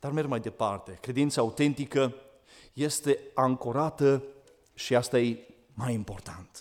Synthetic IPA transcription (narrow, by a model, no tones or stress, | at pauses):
d̪̥armermajd̪e̞part̪e̞kɾe̞d̪int̪saut̪e̞nt̪ikə | je̞st̪e̞aŋkoɾat̪ə | ʃiast̪aje | majimpo̞rt̪ʰant̪